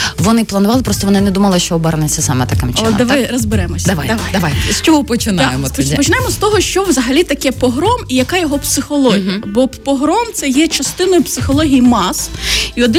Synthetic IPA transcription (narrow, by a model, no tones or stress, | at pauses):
ʋɔnɪplˠɐnʊʋɑlˠɪpɾɔst̪ɔʋɔnɪnɛd̪umɐlˠɪʃt͡ʃɔɔbɛɾɐnet͡sʲːɐsɑmɛt̪ɐkɛmt͡ʃd̪ɐʋ̪ajɾɔzbɪɾɛmɔsʲd̪ɐʋajd̪ɐʋajd̪ɐʋajsʲt͡ʃɔɦɔpɔt͡ʃɪnɑjemɔt̪pɔt͡ʃɪpɔt͡ʃɪnɑjemɔst̪ɔɦɔʃt͡ʃɔʋzɐɦɐlʲit̪ɐkɛpɔɦɾɔmijɐkɑjɔɦɔpsɪxɔlˠɔɦʲijɐbɔpɔɦɾɔmt̪sɛjɛt͡ʃɐst̪ɪnɔjʊpsɪxɔlˠɔɦʲijimɑsiɔd̪ɪ